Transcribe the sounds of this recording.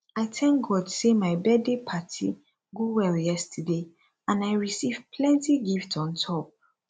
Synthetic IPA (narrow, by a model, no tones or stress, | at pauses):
aɪtʰɛ̃ŋk̚ɡɔdsemaɪbɛdepʰatʰi | ɡowɛljɛstʰəde | ãnaɪɹisiv̥pʰlɛ̃ntiɡiftɔ̃ntʰɔp̚